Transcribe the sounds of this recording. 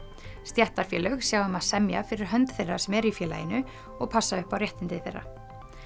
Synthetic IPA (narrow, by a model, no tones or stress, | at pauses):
st̪jɛht̪aɾ̥fjɛːlœxsjawðʏmaðsɛmja̰fɪɾɪɾ̥ɦœnt̪θejrːasɛmɛɾifjɛːla̰jɪnʏ | ɔɣpʰasːaʏhpawrjɛht̪ɪnt̪ɪθejrːa̰